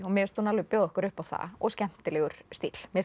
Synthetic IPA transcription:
ɔɣmɛst̪uːnalvɪpjœwðɔhkʏɾʏhpawθa̰ɔ̰ɣscɛm̥t̪ɪlɛɣʏɾ̥st̪it̪l̥mɛs

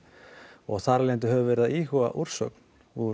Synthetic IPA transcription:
ɔɣθaɾlent̪̬ʏɦœvʏvɛɾɪðaiːhɔa̰ʔuɾ̥sœ̰kn | u

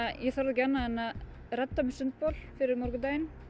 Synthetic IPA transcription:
jɛθœɾðɛcanːaɛnːa | rɛt̪ːamɪsʏnt̪̚pɔl̥fɪɾɪɾmɔɾkʏt̪ajɪn

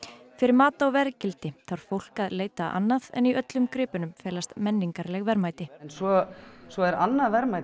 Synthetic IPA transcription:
fɪɾɪɾmaːt̪aɔwvɛɾcɪlt̪ɪθaɾ̥fowl̥kaðleːjt̪aʔa̰nːaðɛ̰niœt̪lʏmkɾɪːpʏnʏmfɛːlast̪mɛnːiŋkaɾlɛɣvɛɾmaːjt̪ɪnsɔsɔɛɾanːavɛɾmaj

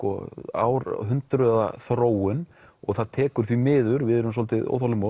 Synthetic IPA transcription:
kɔa̰wɾɦʏnt̪ɾða̰θɾoːwʏn | ɔɣθaðt̪ʰɛːkʏɾ̥θvimɪːðʏɾvɪðɛɾʏmsɔlt̪ɪðo̰wθawlʏmow

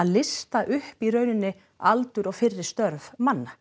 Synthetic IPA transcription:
aðlɪst̪aʔʏhpiɾœːɥnɪnːɪ | alt̪ʏɾɔɣfɪrːɪɾ̥st̪œɾvmanːa

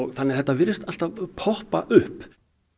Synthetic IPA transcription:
θanːɛɾθɛht̪ːavɪɾɪst̪al̥t̪avpʰɔhpaʔʏhp

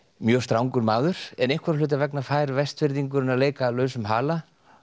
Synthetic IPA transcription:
mjœːst̪ɾawŋkʏɾmaːðʏɾ̥ɛnejhŋkvaɾ̥lʏːt̪̬avɛknafaːjɾvɛst̪fɪɾðiŋkʏɾʏnaleːjkalœːɥsʏmɦaːla

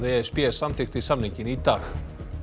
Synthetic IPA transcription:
ðeɛɛspjɛsamθɪxt̪ɪsamniɲcɪnit̪aːx

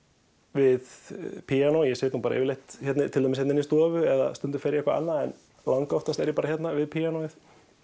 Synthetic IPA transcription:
vɪðpʰianojɛsejt̪hunpaːɾa̰ʔɛ̰vɪleht̪çɛt̪nɪt̪ʰɪlamɪshɛt̪ɛnist̪ɔːvʏɛða̰st̪ʏnt̪ʏ̥ɾfɛɾjɪɛkvaa̰nːaɛ̰n | laŋkɔht̪ast̪ɛɾjɛpaːɾaɦjɛt̪navɪðpʰianoːɪθ

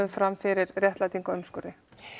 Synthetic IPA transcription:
ðfɾamfɪɾɪɾrjɛht̪lat̪iŋkaœmskʏɾðɪ

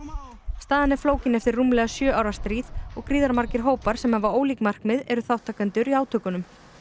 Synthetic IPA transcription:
st̪aːðɪnɛɾ̥floːwcɪnɛft̪ɪɾːumlɛɣasjœːawɾḁst̪ɾiːðɔɣkɾiːðaɾmaɾcɪɾ̥ɦoːwpaɾ̥sɛmhavaoːwliːkmar̥kmɪðɛɾʏθawht̪ʰːaːkant̪ʏɾiaːwt̪ʰœːkʏnʏm

